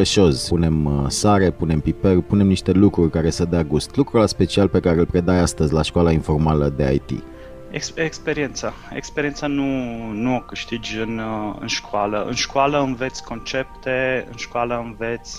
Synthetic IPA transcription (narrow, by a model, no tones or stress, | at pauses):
əʃo̞zpune̞msaɾe̞pune̞mpipelpunemniʃt̪e̞lukɾurʲkaɾe̞səd̪eaɡust̪lukɾulaspe̞t͡ʃialpe̞kaɾe̞əlpɾe̞d̪ajast̪əzʲlaʃkoalainfo̞rmaləd̪e̞a̰jt̪ḭ | esekspeɾient̪sa | ḛkspeɾiensanunuokɨʃt̪id͡ʒʲɨnɨ̰nʃkoaləɨ̰nʃkoaləɨnve̞t̪sʲko̞nt͡ʃe̞p̚t̪e̞ɨ̰nʃkoaləɨnvet̪sʲ